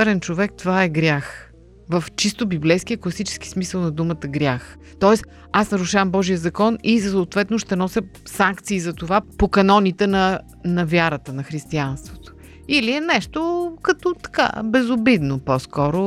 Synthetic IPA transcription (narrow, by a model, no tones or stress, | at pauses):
ɛɾɛnt͡ʃovɛk̚t̪ovaɛɡɾʲjax | vəft͡ʃist̪obiblɛjskijəklˠɐsit͡ʃɛ̥sk̟i̥smisəlˠnɐd̪umət̪əɡɾʲax | t̪ɔɛs | asnɐɾuʃavəmbɔʒijəzɐkɔnisoːt̪vɛt̪noʃt̪ɛnɔsʲə | saŋkt̪siːzɐt̪ovapokɐnɔnit̪ɛnɐ | nɐvʲjaɾət̪ənɐxɾist̪ianst̪vot̪o̥ | iliɛnɛʃt̪okɐt̪ɔt̪ɐ̥ka̰bɛzʊbid̪noposkɔɾʊ